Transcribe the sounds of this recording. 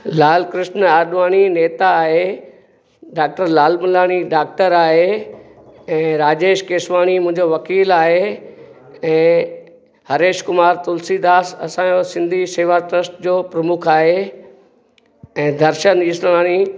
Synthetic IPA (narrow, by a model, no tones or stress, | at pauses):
laːlkɾɪʃnaːɾɗʋaːñineːt̪aːɦe | ɖaːk̚ʈəɾlaːlmʊlaːñiɖaːk̚ʈəɾaːɦe | ɛ̃ːɾaːd͡ʑeːʃkeːsʋaːɽ̃imʊ̃ɪ̃ɲd͡ʑoʋɐkiːlaːɦe | ɛ̃ː | hɐɾeːʃkʊmaːɾt̪ʊlsid̪aːsɐ̰sãosɪ̃nd̪ʱiseːʋaʈɾəsʈd͡ʑoːpɾɐmʊkʰaːɦe | ɛ̃ːd̪ʱɐɾʃəniːsaːɽ̃i